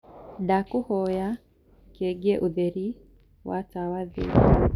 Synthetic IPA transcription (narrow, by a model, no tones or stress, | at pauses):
dakuhɔja | keɡɛʔuðeɾi | wʔa̰tawaðḛ